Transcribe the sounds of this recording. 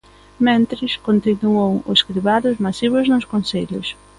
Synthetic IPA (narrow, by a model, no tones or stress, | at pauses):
mẽnt̪ɾɪskont̪inuowʊskɾiβaðʊzmasiβʊznʊskonseʎʊs